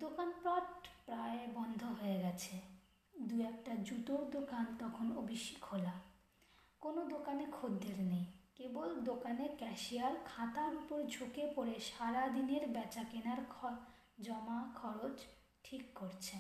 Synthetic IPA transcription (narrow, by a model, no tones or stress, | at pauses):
d̪okanpɾaʈpɾaebɔnd̪ʱoɦoeɡɛt͡ɕʰe | d̪uɛk̚ʈad͡ʑuʈod̪okant̪ɔkʰonobiʃikɦola | konod̪okanekʰod̪ːeɾnejkebold̪okanekɛʃijaɾkʰãt̪aɾupoɾd͡ʑʱokepoɾeʃaɾad̪ineɾbɛt͡ɕakenaɾkʰ | d͡ʑɔmakʰɔɾot͡ɕ | ʈʰikːoɾt͡ɕʰe